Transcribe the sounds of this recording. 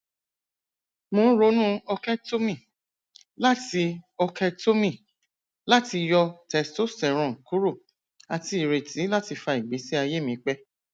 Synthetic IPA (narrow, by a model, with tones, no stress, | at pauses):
mõ˧˦ɾo˨˦nũ˦ɔ˧kɛ˦to˦mĩ˦˨ | la˦ti˧ɔ˧kɛ˧to˦mĩ˦˨ | la˦ti˧jɔ˧tɛ˨sto˦sɛ˨ɾ̃ɔ̃˨ŋ̩˨ku˨˦ɾo˦˨ | a˧ti˧i˨ɾe˨tĩ˨˦la˦ti˧fa˧i˨ɡ͡be˨˦si˦a˧je˦˨mĩ˧˦k͡pɛ˦